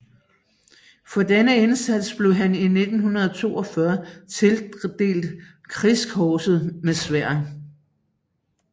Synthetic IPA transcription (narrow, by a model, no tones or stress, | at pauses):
fɒ̽d̥enəe̝nsæd̥sb̥le̝ʊɦænine̝d̥n̩hunɐð̞ˠɒt͡sʰo̝̰ːɒ̽fɶɐt͡sʰe̝ld̥e̝̰ːld̥ | kʰʁiskʰɒːsð̞̩ˠmesʋæɐ̰